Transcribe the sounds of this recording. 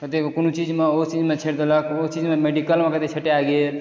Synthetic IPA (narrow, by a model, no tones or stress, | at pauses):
kət̪ekʊnut͡ʃiːd͡ʒmẽot͡ʃid͡ʒmẽt͡ʃʰeɾd̪oləkʰot͡ʃiːd͡ʒmẽmeɖikəlmẽkət̪et͡ʃʰɐʈeaːɡee